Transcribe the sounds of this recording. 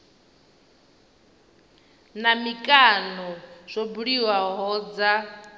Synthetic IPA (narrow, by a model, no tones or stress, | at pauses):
namikʼanɔz̥ʷɔbuɺiwaɦɔːd͡za